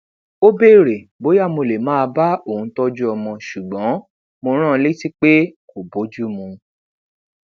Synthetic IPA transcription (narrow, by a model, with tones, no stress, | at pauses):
o˦be˦˨ɾe˨bo˨˦ja˦˨mo˧le˨mãː˦˧ba˦o˦˨ũ˨˦tɔ˦d͡ʒu˦ɔ˧mɔ̃˧ʃu˨ɡ͡bɔ̃˨˦ | mo˧ɾ̃ã˦˧le˦ti˦k͡pe˦ko˨bo˨˦d͡ʒu˦˨mũ˧